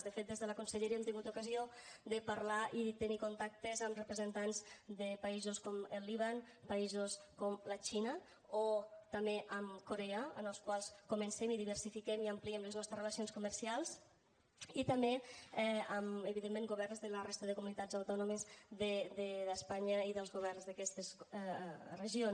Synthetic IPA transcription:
ðəfet̪̚d̪ezðələkunsəʎeɾɛmt̪iŋɡut̪ukəziod̪əpaɾlaʔiðt̪ənikunt̪ak̚t̪ezəmrəpɾəzənt̪anzd̪əpaizuskɔməlːiβ̞an | paizoskɔmlət͡ʃinə | ot̪ameʔəmkoɾeəə̰nəlˠskwalˠskumənsemiðiβərsifikemiəmpliɛmləznɔst̪ɾəzrələsionskuməɾsialˠz | it̪əmbeɛəməβiðemːeŋɡuβɛrnzðələrest̪əðəkumunit̪azawt̪ɔnomezðəd̪ədəspaɲəiðəlˠzɣoβɛrnzðəkɛst̪əs | rəʒion

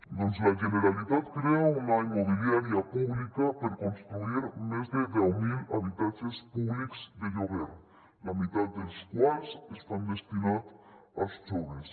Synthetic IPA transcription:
d̪unzlaʒeneɾalit̪at̪kɾeaunaimoβiljaɾjapuβlikapəɾkonst̪ɾuiɾmezd̪əd̪ɛwmilaβit̪ad͡ʒespuβlikzd̪eʎoβɛɾ | lamit̪at̪̚d̪elskwazest̪and̪est̪inat̪ast͡ʃoβes

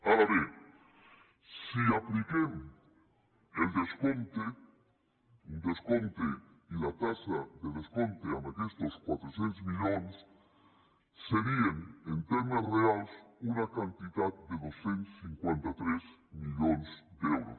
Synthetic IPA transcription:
alaβe | siaplikem | eld̪eskont̪e | und̪eskõnt̪eilat̪asaðeðeskont̪eamakest̪oskwat̪ɾosjent̪ozmiʎones | eɾieŋent̪emasrealsunakant̪iðað̚d̪eðosent̪o̥siŋkwent̪at̪ɾezmiʎonesd̪eewɾo̰s

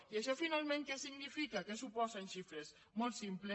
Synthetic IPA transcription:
iaʃɔfinalˠmẽŋkɛsiɡnifikakesupɔzenʃifɾez | mɔlˠt̪simple

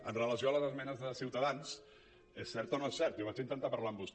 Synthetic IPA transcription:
ənrələsioələzəzmɛnəzðəsiwt̪əðans | esɛɾt̪onoesɛɾt̪joβat͡ʃint̪ənt̪apəɾlaəmbust̪

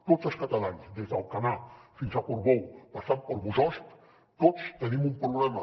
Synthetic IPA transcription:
t̪ot̪səlˠskat̪alansd̪ezd̪alˠkanafinzakoɾβowpasampoɾβuzɔst̪ | t̪otst̪ənimumpɾuβlɛma

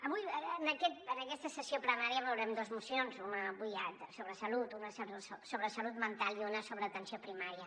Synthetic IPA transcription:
əβujənəkɛt̪̚ənəkɛst̪əsəsiopɾənaɾiəβəwɾɛmd̪ozmusionzunəβujat̪soβɾəsəlut̪unəsəβsosoβɾəsəlut̪mənt̪alˠiunəsoβɾəːt̪ənsiopɾimaɾiə

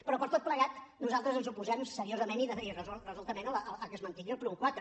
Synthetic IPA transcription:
pɾɔpəɾt̪ot̪̚pləɣat̪nuzalˠt̪ɾəzənzupuzɛmsəɾiozəmeniðəirəzulrəzulˠt̪əmenəlˠələlˠkəzmənt̪iiəlˠpɾuŋkwat̪ɾə

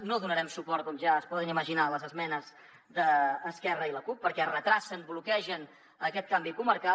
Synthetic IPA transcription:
noðunəɾɛmsupɔɾt̪̚kɔmʒaəspɔðəniməʒinaləzəzmɛnəz | ðəːskɛrəiləkupːəɾkɛrət̪ɾasənblukɛʒən | əkɛt̪̚kambikuməɾka

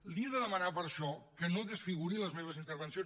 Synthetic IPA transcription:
lˠd̪iəðəðəmənapəɾʃɔkənoðəsfiɣ̞uɾiləzmeβ̞əzint̪əɾβənsio

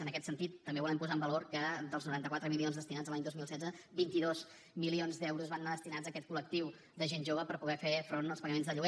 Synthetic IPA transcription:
ənəkɛt̪sənt̪it̪ːəmbeβulɛmpuzaəmbəloɾkəd̪əlˠznuɾant̪əkwat̪ɾəmilionzðəst̪inad͡zzəlaɲd̪ozmilsɛd͡zəbint̪iðoz | milionzðɛwɾuzβanːaðəst̪inazəkɛt̪̚kulək̚t̪iw | d̪əʒenʒoβəpəɾpuɣɛfefɾonəlˠspəɣəmenzðəʎuɣɛ

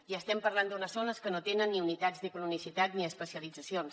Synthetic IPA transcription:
iəst̪ɛmpəɾland̪unəsɔnəskənot̪enənːiunit̪ad͡zd̪əkununisit̪at̪niəspəsiəlid͡zəsions

